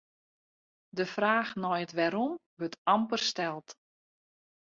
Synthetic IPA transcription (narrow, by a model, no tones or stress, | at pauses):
dəfraːxnɔjətʋɛɾɔmʋøtɑmpərstɛlˠt